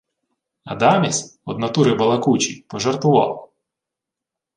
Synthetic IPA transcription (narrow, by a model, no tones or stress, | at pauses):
ɐ̰d̪ɑmʲisʲɔd̪nɐt̪uɾɪbɐlˠɐkut͡ʃipɔʒɐrt̪ʋʊʋɑ̰lˠ